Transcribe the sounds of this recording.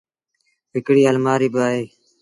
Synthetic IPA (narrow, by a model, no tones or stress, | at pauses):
pɪkɽiːəlmaːɾiːbɪaːɦeː